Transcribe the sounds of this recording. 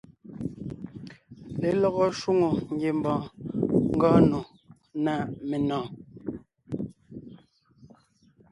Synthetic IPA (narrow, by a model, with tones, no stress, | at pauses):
le˨lɔ˦ɣɔ˦ʃwu˦ŋo˨ŋ̩˦ɡje˨m˨bɔ̃ː˨ŋ̩˦ɡɔː˦no˨ | na˦˨ʔme˨nɔ̃ː˨